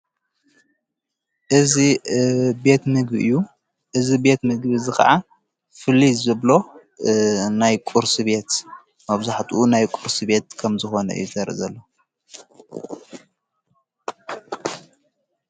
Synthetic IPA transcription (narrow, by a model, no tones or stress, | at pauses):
ʔɨzi | be̞t̪mɨɡbʔɨjːu | ʔɨzibe̞t̪mɨɡbizɨxɐ̰ʕa | fɨlːizɨβlo̞ | najkʷʼuɾsiβe̞t̪ | mɐβzaħt̪ʰuʔunajkʼuɾsibe̞t̪kʰɐmzɨxo̞nɐ̰ʔɨ̰jːuzʰɐɾɨ̰zɐlːo